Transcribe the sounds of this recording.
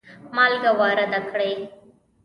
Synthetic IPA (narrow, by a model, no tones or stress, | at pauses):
maːlɡɐʋaːɾɐd̪ɐkːɐɽɐɪ